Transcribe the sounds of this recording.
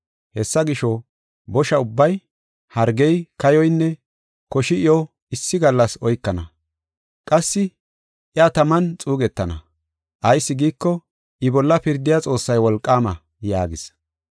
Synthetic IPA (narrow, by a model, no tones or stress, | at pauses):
hɛsːɐɡɪʃɔ | bɔʃɐʊbːɐj | hɐɾɡɛjkɐjɔjnːɛ | kɔʃɪɪjɔ | ɪsːɪɡɐlːɐsɔjkːɐnɐ | kʼɐsːɪ | ʔɪat̪ɐmɐnt͡sʼuːɡɛt̪ːɐnɐ | ʔɐjsːɪɡiːkːɔ | ʔɪbɔlːɐpɪɾd̪ɪjat͡sʼo̞ːsːɐjwɔlkʼːaːmɐ | ja̰ːɡɪs